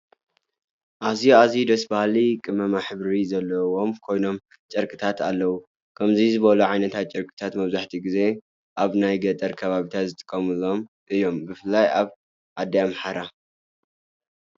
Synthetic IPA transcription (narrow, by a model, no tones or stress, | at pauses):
ʔaziazid̪ɐsbahlikʼɨmɐmaħɨβɾizɐlːɐwo̞mkʰo̞jno̞m | t͡ʃʼɐɾkʼɨt̪ʰat̪ʰalːɐwu | kʰɐmzizɨβɐluʕajnɐt̪ʰat̪̚t͡ʃʼɐɾkʼɨ̥t̪ʰat̪mɐβzaħt̪ʰiɡize̞ | ʔaβnajɡɐt̪ʼɐɾkʰɐβaβit̪ʰat̪zɨt̪ʼɨ̥kʼːɐmulo̞m | ʔɨjo̞mbɨfɨlːajaβ | ʔad̪ajamħaɾa